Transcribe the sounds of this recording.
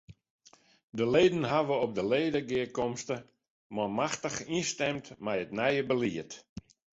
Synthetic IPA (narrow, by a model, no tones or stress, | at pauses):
dəleːdən̩ɦaʋəɔp̚dəleːdəɡɪəkɔmstə | mɔmaxtəxinstɛmtmɛjətnɛjəbəliət